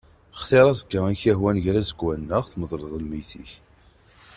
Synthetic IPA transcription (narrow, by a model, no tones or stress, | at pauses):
χθeɾˤɑzəɡəiçæhwænʝɾæzəɡwænːəʁθməðˤɾˤəðˤəmiθḭç